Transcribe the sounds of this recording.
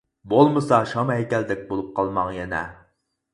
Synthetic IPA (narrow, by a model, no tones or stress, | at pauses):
bolˠmɨsɑʃɑmɦɛkʲɛld̪ɛk̚ʲbolˠup̚qɑlˠmɑŋjɛnɛ̰